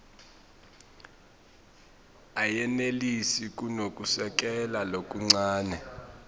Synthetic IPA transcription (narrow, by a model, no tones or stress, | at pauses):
ajɛnelisik̬unok̬ʼusɛk̬ɛlalok̬ʼuŋ͡ǀaːnɛ